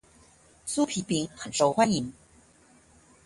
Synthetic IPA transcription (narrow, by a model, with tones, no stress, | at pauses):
su˥pʰi˨˩pi˨˥ŋxə˨˩nʂo˧˩ʊxwa˥ni˨˩˦ŋ